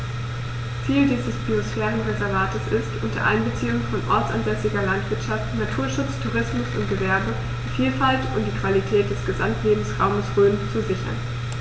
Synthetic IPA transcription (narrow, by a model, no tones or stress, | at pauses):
t͡siːldiːzəsb̥iosfɛːʁənʁezɛɐvaːtəsɪstʔʊntʰɐ̰ʔa̰ɪənbət͡siːʊŋənfɔnʔɔɐt͡sa̰nzɛsɪɡɐlantv̥ɪɐtʃaftnatʰuːɐʃʊt͡stʰuʁɪsmʊsʊ̰nt̚ɡ̥əvɛɐbə | d̥iːfiːlfaltʊntd̥iːkv̥alitʰɛːt̚d̥ɛsɡ̥əzamtleːbm̩sʁa̰ʊməsʁøːnt͡suzɪçɐ̰n